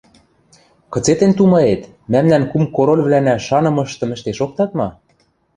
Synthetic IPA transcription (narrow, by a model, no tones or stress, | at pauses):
kɤ̆t͡set̪ĕnt̪umɑet̪ | mæmnænkumkoɾolʲβlænæʃɑnɤ̆mɤ̆ʃt̪ɤ̆mɘ̆ʃt̪eʃok̚t̪ɑt̪mɑ